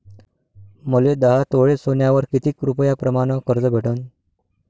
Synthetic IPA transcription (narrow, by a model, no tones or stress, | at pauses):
məled̪əɦat̪oɭesonjaʋəɾkit̪iːkɾupəjapɾəmaɽ̃əkəɾd͡zəbʱeʈən